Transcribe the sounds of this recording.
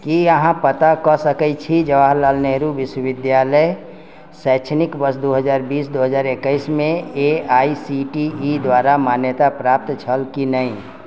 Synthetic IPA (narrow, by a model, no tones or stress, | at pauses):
kiəɦãpət̪akɔsəkət͡ʃʰid͡ʒəʋaɦlalneɾuʋɪswəʋɪd̪jaːləj | sɛɪt͡ʃʰənikbəɾsd̪oɦəd͡ʒaːɾbiːsd̪oɦəd͡ʒaːɾekəɪsmẽeaisiʈiːd̪waɾamanjət̪apɾap̚t̪t͡ʃʰəlkinəĩ